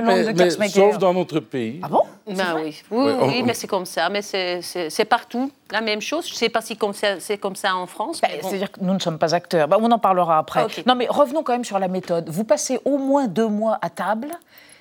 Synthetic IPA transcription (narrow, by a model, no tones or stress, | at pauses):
lɔ̃ɛd̪əmɛmɛ̃sofd̪ɑ̃not̪χəpeiabɔ̃ɛwiwiwwimɛsɛkɔmsamɛsɛsɛsɛpaʁt̪u | lamɛmʃozʒəsɛpasikɔmsasɛkɔmsaɑ̃fχɑ̃sbɛset̪ad̪iʁkənunəsɔmpazak̚t̪œːʁbaɔ̃nɑ̃paʁləʁaːpχɛkenɔ̃mɛʁəvnɔ̃kɑ̃mɛmsyʁlamet̪ɔd̪vupaseʔomwɛ̃d̪ømwaʔat̪abl